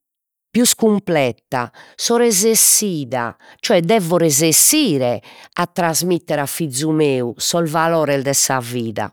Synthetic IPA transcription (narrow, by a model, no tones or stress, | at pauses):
pjuskumplɛt̪ːa̰sɔɾɛzesiːða̰t͡ʃɔɛd̪ɛvɔɾɛzesiːɾɛat̪ːɾazmit̪ːɛɾafid̪zːumeːusɔlvalɔːɾɛld̪ɛsaviːða̰